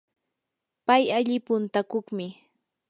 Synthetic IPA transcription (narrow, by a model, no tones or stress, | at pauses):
pajaʎɪpʊnt̪akoχmɪ